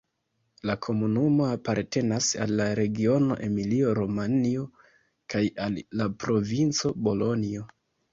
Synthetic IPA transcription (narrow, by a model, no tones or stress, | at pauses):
lakʰo̞munumo̞apaɾte̞nasa̰lːaɾe̞ɡio̞no̞ʔe̞milio̞ɾomanio̞ | kajalːapɾo̞vint͡so̞bo̞lo̞nio̞